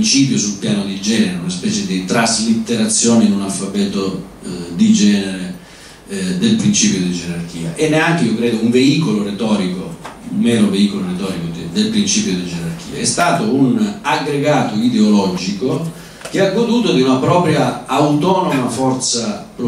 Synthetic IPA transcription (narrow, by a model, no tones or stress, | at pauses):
nt͡ʃiːp̬josulpjaːnod̪id͡ʒɛːneɾeunaspɛːt͡ʃed̪it̪ɾazlit̪ːeɾat̪sːjɔːneinunalfapɛːt̪o | d̪id͡ʒɛːneɾe | d̪elpɾint͡ʃiːpjod̪id͡ʒeɾark̟iːa̰ʔenːeaŋk̟eiːokɾɛːd̪ouɱveiːkoloret̪ɔːɾikoumɛːɾoveiːkoloɾet̪ɔːɾikod̪d̪elpɾint͡ʃiːpjod̪id͡ʒeɾark̟iːaɛst̪aːt̪ounaɡɾeɡaːt̪oid̪eolɔd͡ʒiko | k̟eaɡːod̪uːt̪od̪iunapɾɔːpɾjaawt̪ɔːnomafɔrt̪sapɾ